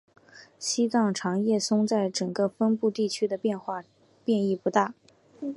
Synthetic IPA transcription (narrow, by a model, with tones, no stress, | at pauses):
ɕi˥t͡sɑ˥˩ŋʈ͡ʂʰɑ˧˥ŋjɛ˥˩sʊ˥ŋt͡sa˥˩ɪʈ͡ʂɤ˨˩ŋɡə˥˧fə˥npu˥˧t̪i˥˩t͡ɕʰy˥d̪ə˨pjɛ˥˧nxwa˥˧ | pjɛ˥˧ni˥˩pu˧˥t̪a˥˩